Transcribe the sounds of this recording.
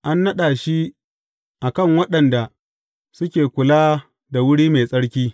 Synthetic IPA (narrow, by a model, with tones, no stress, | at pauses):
ʔa˦nːɐ˦ɗaː˨ʃi˦ | ʔa˨kɐ˦˨ŋwɐ˦ɗɐ˨nda˨ | sʊ˦kʲeː˨kʷʊ˨laː˦ | da˨wʊ˦ɽiː˦me˨sʼɐ˦ɽkʲiː˦